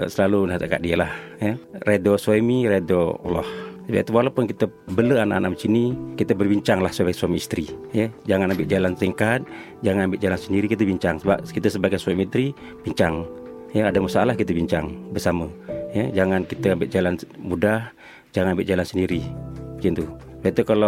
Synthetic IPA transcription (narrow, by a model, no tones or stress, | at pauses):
səlalunat̪əka̰ʔ̚dialah | jəredoswemiɾedo̰lɔ̰hsəba̰ʔt̪uwalapʊnkit̪ə | bələanaʔanʔaʔmt͡ʃinikit̪əbərbiɲt͡ʃaŋlahsəbaɡjsuamiist̪ɾijəd͡ʒaŋanambɪʔ̚d͡ʒalant̪iŋkat̪̚ | d͡ʒaŋanambɪʔd͡ʒalansəndiɾikit̪əbiɲt͡ʃaŋsəba̰p̚kit̪əsəbaɡajsuamit̪ɾi | b̥iɲt͡ʃaŋ | jaadamasaalahkit̪əbiɲt͡ʃaŋbərsaməjəd͡ʒaŋankit̪əambɪʔ̚d͡ʒalanmudah | d͡ʒaŋanambɪʔd͡ʒalansəndiɾid͡ʒint̪u | bat̪ukalo